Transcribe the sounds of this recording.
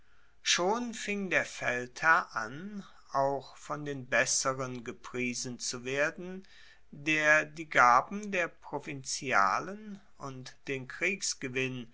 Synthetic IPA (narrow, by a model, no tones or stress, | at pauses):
ʃoːnfɪŋdeːɐfɛlthɐɐʔan | ʔaʊxfɔndeːnbɛsəʁənɡəpʁ̥iːzn̩t͡suveːɐdn̩ | deːɐdiːɡaːbm̩deːɐpʁ̥ovɪnt͡sja̰ːlən | ʔʊntd̥eːnkʁ̥iːksɡ̥əvɪn